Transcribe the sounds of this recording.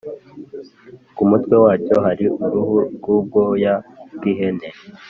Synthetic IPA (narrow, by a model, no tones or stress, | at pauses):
kumutkwe̞waːt͡ʃoɦaɾiuɾuhuɾɡ̥ub̚ɡojaɡiɦene